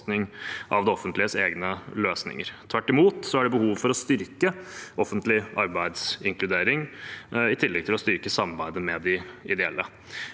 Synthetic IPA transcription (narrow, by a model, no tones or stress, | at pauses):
nɪŋʔɑ̰ʋd̪ɛɔfənt̪lɪəseːɡnəløːsnɪ̰ŋəɾt̪ʰʋæʈːɪmuːt̪sɔæɖɛbəhuːʋfɔɾɔst̪ʏɾkəʔɔfənt̪lɪʔɑɾbæɪd̪sɪŋklʉd̪eːɾɪŋɪt̪ʰɪlːɛɡ̚t̪ʰɪlɔst̪ʏɾkəsɑmɑɾbæɪd̪əmɛd̪ɪɪd̪ɛɛlːə